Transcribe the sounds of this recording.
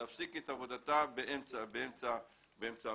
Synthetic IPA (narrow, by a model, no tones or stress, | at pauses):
afsiketavo̞d̪atabeʔemt͡sabeemt͡sa | beemt͡sa